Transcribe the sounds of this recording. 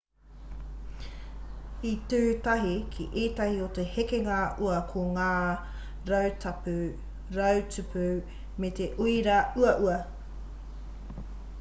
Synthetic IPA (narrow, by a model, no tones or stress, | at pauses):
itʉːtɐɦikʰḭʔeːtɐhiotehekeŋɐʔuɐkʰoŋaː | ɾɐwtʰɐpu | ɾɐwt͡sʉpʰu | met̪eʔuiɾɐuɐʔuɐ